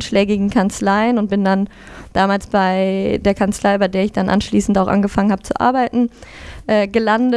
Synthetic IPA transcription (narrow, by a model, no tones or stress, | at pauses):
nʃlɛːɡɪɡŋ̩kʰant͡slaɪənʊnt̚b̥ɪndan | d̥aːmaːlsb̥aɪdeːɐkʰant͡slaɪbaɪdeːɐɪçd̥anʔa̰nʃliːsn̩taʊxʔa̰nɡəfaŋənhaːbət͡suʔa̰ɐbaɪtn̩ʔɛːɡəlandə